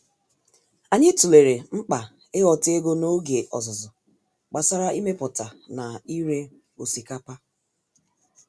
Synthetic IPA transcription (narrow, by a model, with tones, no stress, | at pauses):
a˨ɲɪ˦tu˨le˨ɾe˨ŋ͡m̩˦k͡pa˨ | e˦ɣɔ˨te˦ɡo˦no˦ɡe˨ʔɔ̰˨zʊ˨zɔ˨ | k͡pa˨sa˦ɾa˦ʔi˦me˦pʊ˨ta˨na˨i˦ɾe˦ | o˨si˨ka˦pa˦